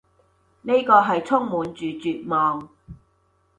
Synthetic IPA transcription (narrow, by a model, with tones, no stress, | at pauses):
ne˥jkɔː˧ɦɐ˨jt͡sʰʊ˥ŋmuː˨˧nt͡ʃyː˨t͡ʃyː˨t̚mɔː˨ŋ